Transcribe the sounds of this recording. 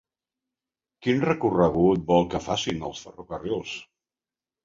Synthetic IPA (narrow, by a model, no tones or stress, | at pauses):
kinrəkurəɣ̞ut̪̚bɔlˠkəfasinə̰lˠsfərokəriolˠs